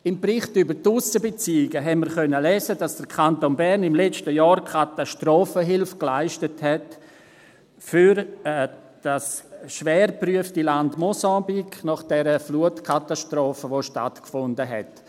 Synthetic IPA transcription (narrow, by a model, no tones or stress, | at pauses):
ɪmbrɪχtybətusəbet͡siːɪɡəɦɛnməɾχœnːəlɛːzəd̥asd̥əɾkʰantonbɛɾnɪmlɛt͡ʃtəjɑːɾkʰataʃtrɔːfəɦɪlfklaɪʃtəthɛt | fyɾ | d̥asʃvɛːɾpryəftilandmɔsɑ̃ːbiknɔχd̥ɛɾəfluətkʰataʃtɾɔːfəʋoʃta̰tkfʊndəɦɛ̰t